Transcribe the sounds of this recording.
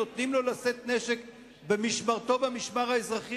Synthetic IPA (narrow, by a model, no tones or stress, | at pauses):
ot̪nimlo̞laset̪neʃek | bemiʃmaʁt̪o̞bamiʃmaʁhaezʁaχi